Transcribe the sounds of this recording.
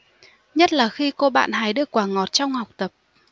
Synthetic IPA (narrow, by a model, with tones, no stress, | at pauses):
ɲə˦˥t̚laː˨˩xi˧ko˧ɓa̰ː˧˨nɦa˨˦jɗɨ̰˧˩əkːwaː˧˩ŋɔ˨˩t̚t͡ɕɔ˧wŋ͡mha˨˩wk͡p̚t̪ə˨˩p̚